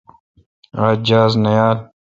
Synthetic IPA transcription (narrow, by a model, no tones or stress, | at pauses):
aːd͡ʑaːznɐjaːl